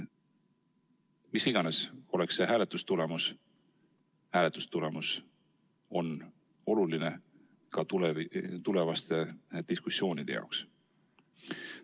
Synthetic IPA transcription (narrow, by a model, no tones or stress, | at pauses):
misiɡ̥ɑneso̞le̞ksːe̞ɦæːle̞t̪ːˑust̪ule̞mus | hæːle̞t̪ːˑu̥st̪ule̞mus | o̞n | o̞luline̞ | kɑt̪ult̪ule̞vɑst̪e̞d̪̥iskusːjo̞ːnid̪̥ejɑ̰oks